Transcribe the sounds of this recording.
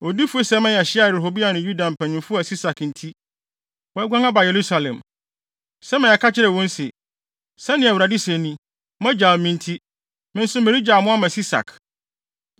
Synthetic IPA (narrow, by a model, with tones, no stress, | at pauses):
o˨di˦fu˦e˦sɛ˦mɛ̃˦jɛ˨ɕɪ˦a˦˨ɦo˨bi˦a˨nʊ̃˨ju˦dã˨m̩˨pʰæ̃˨ɲɪ̃˨mfʊ˦a˨si˦sa˨kn̩˨tʰi˦ | wɔ˨˦ɛ˦ɡʷã˦ŋa˦ba˨je˨ɾu˦sa˨lɛ̰̃˨m | sɛ˦mɪ̃˨ɛ˨kʰa˦t͡ɕʰɪ˦ɾɛ˨wɔ̃˦n̩˦sɪ˨ | sɛ̃˦nɪ̃˨æ˨wɾa˨di˦sɛ̃˨nĩ˦ | mɛ̃˦d͡ʑa˨lmɪ̃˦n˦tʰi˦ | mɪ̃˦n̩˦sʊ˦mẽ˨ɾi˦d͡ʑa˨mʊ̃˦a˦mã˨si˦sa̰˨k